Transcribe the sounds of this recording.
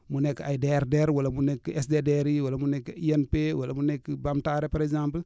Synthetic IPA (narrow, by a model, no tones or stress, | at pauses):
munekːajideɾdeɾwalamunekːiesdedeɾiwalamunekːiienpewalamunekːibamtaɾepaɾekzãmpəl